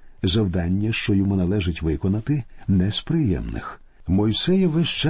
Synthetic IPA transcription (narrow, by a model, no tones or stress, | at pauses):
zɐwd̪ɑnʲːɐʃt͡ʃɔjɔmunɐlˠɛʒɪtʲʋɪkɔnɐt̪ɪnɛspɾɪjɛ̰mnɪ̰x | mɔjsɛjɪʋɪʃt͡ʃɛ